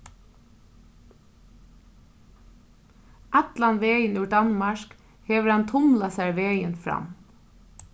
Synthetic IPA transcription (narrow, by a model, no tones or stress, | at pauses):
ʔɛt̪lanʋeːjənʉd̪anmɑʃk | hɛːʋəɾhant̪ʰʊmlasæjʋeːjənfɾa̰m